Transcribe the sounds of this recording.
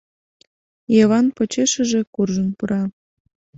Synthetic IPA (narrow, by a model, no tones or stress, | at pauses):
jeβɑnpot͡ɕeʃə̆ʒĕkurʒənpuɾɑ